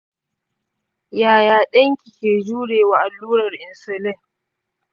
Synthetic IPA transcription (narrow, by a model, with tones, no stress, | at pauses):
jaː˨jaː˨ɗɐ˦ŋkʲi˨kʲeː˨d͡ʒuː˦ɽeː˨waː˨ʔa˨lːuː˦ɾɐ˨rʔɪ˨nsɛ˨lɛ˦˨